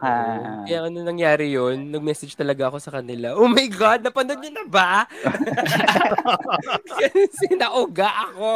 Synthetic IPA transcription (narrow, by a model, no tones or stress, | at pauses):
kɐjaŋɐnɐnɐŋjaːɾɪjonːɐɡ̚mɛsɛd͡ʒt̪ɐlɐɡaɐko̞sɐkɐnɪlaʔoːmɐjɡad̪̚nɐpɐnod̪̚ɲʊnɐba | ɡɐnsɛnɐʔʊɡaʔɐko̞